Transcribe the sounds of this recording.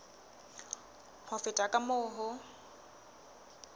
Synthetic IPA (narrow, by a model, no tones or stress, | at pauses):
hʊfɪtʼakʼamʊːɦʊ